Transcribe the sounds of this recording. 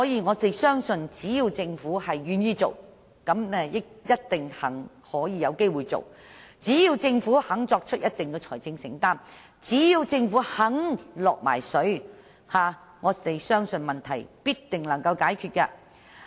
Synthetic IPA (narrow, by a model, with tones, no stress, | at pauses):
sɔː˨˥jiː˨ŋɔː˨˧t̪e˨jsœː˥ŋsɵ˧nt͡siː˨˥jiː˧wt͡sɪ˧ŋfuː˨˥hɐ˨jːyː˨njiː˥t͡so̰˨˩w | kɐ˨˥mnɛː˥jɪ˥k̚jɐ˥t̚t̪ɪ˨ŋhɐ̰˨˩ŋ | hɔː˨˥jiː˨˧jɐ˨˧wke˥jwuː˨˩jt͡so̰˨˩wt͡siː˨˥jiː˧wt͡sɪ˧ŋfuː˨˥hɐ˨˥ŋt͡sɔː˧k̚t͡ʃʰɵ˥jɐ˥t̚t̪ɪ˨ŋkɛː˧t͡ʃʰɔ̰ː˨˩jt͡sɪ˧ŋsɪ̰˨˩ŋt̪aː˥m | t͡siː˨˥jiː˧wt͡sɪ˧ŋfuː˨˥hɐ˨˥ŋlɔː˨k̚ma̰ː˨˩jsɵ˨˥ɥ | haː˨ | ŋɔː˨˧t̪e˨jsœː˥ŋsɵ˧nmɐ˨nt̪ʰɐ˨˩jpiː˥tt̪ɪ˨ŋlɐ˨˩ŋkɐ˧wkaː˨˥jkʰyː˧t̚ka̰ː˧